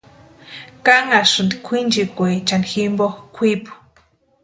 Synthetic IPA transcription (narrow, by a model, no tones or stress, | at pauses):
kaŋaʂɨnd̪ikʷʰind͡ʒikʷet͡ʃanximboxkʷʰipu̥